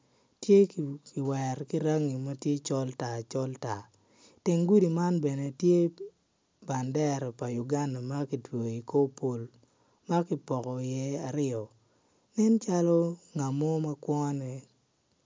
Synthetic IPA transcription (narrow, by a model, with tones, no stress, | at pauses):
tje˦kkɪ˨wɛ˨ɾki˦ɾa˦ŋi˨ma˦tje˦t͡ʃɔ˦lta˨t͡ʃɔ˦lta˨ | te˨ŋɡu˦di˨ma˦nbɛ˨ne˨tje˦ | ba˨ndɛ˦ɾɛ˨pa˨ju˨ɡa˦nda˨ma˦ki˨two˨i˨ko˦po˨l | ma˦kɪ˨pɔ˨kɔ˨jɛ˦a˨ɾɪɔ˨ | nɛ˦nt͡ʃa˦lɔ˦ŋa˨mɔ˦ma˦kwɔ˦nɛ˨